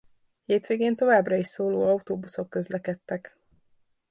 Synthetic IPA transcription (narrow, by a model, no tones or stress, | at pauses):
heːt̪ʋeːɡeːnt̪o̞vaːbrɒiʃsoːloːɒut̪oːbuso̞kːø̞zlɛkɛt̪ːɛk